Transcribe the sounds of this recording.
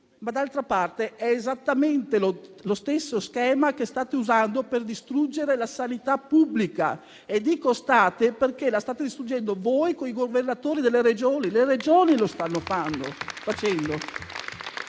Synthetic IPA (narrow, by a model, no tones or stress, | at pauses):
mad̪alt̪ɾapart̪eʔɛːzat̪ːament̪elolost̪esːoskɛːmakest̪aːt̪euzand̪operd̪ist̪ɾud͡ʒːeɾelasanit̪apːubːlika̰ | ed̪iːkost̪aːt̪eperkelast̪aːt̪ed̪ist̪ɾud͡ʒːɛnd̪ovojkoiɡovernat̪oːɾid̪elːeɾed͡ʒoːnilered͡ʒoːnilost̪anːofanːo̰fat͡ʃɛnd̪o